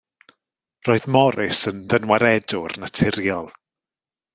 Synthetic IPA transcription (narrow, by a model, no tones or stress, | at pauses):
roːɨðmɔɾɪsənðənwaɾɛdʊrnatʰɪɾjɔlˠ